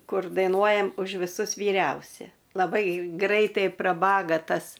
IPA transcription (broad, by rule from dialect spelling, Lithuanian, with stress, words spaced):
ˈkʊr dɐɪnuɔjɛm ʊʃ ʋʲɪˈsʊs ʋʲiːˈrʲɛʊsʲɛ lˠɐˈbɐɪ ˈɡrɐɪtɐɪ prɐˈbɑːɡɐ ˈtɐs